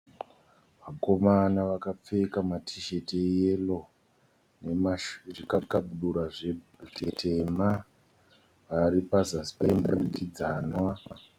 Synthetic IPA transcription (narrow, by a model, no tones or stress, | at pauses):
ʋako̞manaʋakap͡fe̞kamatʰiʃe̞tejelo̞ | nemʐikakaɓuɗuɾaʐe̞ | utetʰe̞ma | ʋaɾipazaspemburikid͡zaːnwa